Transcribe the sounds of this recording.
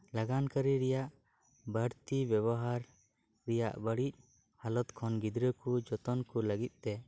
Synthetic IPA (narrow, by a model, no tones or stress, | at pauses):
laɡankəɾiɾɛjaʔ | bəɽt̪ibjɛβɔɦaɾ | ɾɛja̰ʔbəɽic̚ | halɔt̪kʰɔnɡid̪ɾəkud͡ʒɔt̪ɔnkuləɡit̪̚t̪ɛ